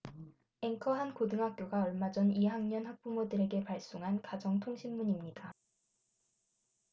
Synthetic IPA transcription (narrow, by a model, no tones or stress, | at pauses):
e̞ŋkʰʌɦankodɯŋɦak̚k͈joɡaʌɭmad͡ʑʌniɦaŋɲʌnɦak̚p͈umodɯɾe̞ɡe̞paɭs͈oŋɦankad͡ʑʌŋtʰoŋɕʰimːuɲimɲida